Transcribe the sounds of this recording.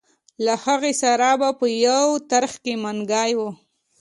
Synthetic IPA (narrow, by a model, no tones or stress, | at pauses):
lahaɣesaɾabapəjawt̪aɾxkemanɡɑjwə